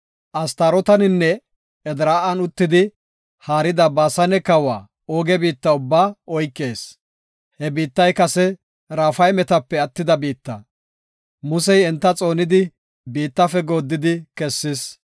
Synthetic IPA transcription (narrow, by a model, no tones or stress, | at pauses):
ʔɐst̪aɾɔt̪ɐnɪnːɛ | ɛd̪ɾaːʔɐnʊt̪ːɪd̪ɪ | haːɾɪd̪ɐbaːsɐnɛkɐwa̰ː | oːɡɛbiːt̪ːɐʊbːaːɔjkːe̞ːs | hɛbiːt̪ːɐjkɐsɛ | ɾaːfɐjmɛt̪ɐpːɛɐt̪ːɪd̪ɐbiːt̪ːɐ | mʊsɛjɛnt̪ːɐt͡sʼo̞ːnɪd̪ɪ | biːt̪ːɐfɛɡo̞ːd̪ːɪd̪ɪkɛsːɪs